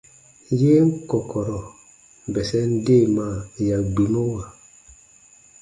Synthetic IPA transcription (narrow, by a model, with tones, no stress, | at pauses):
je˦ŋ˦kɔ˨kɔ˨ɾɔ˨ | bɛ˨sɛ˦n˦de˦˨ma˦˨ja˨ɡ͡bi˨no˦wa˨